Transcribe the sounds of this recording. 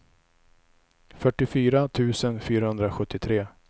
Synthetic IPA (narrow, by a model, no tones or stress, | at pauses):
fœʈːɪfyːɾat̪ʰʉ̟ːsənfyːɾahɵnd̪ɾaɧɵt̪ːɪt̪ʰɾeː